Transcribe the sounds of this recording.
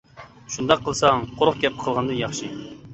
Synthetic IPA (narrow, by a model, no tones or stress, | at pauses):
ʃund̪ɑqʰːəlˠsɑŋqoɾʊχɡʲɛp̚qʰəlˠʁɑnd̪ɨnjɑχʃi